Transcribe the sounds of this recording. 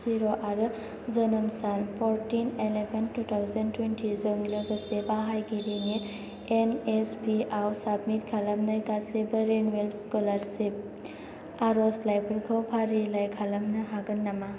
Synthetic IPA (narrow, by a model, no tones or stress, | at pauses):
ziɾoʔaɾɯ | zənəmsanpʰɔɾʈinelebənʈut̪ʰawzɐntwenʈʰizoŋlɯɡəsebaɦajɡiɾine | enesbiʔawsabmitɡʰalamnajɡasebəɾenwelskɔlaɾsep̚ | aɾɔslajpʰɯɾɡʰɔwpʰaɾilajkʰalamnɯɦaɡɯnːama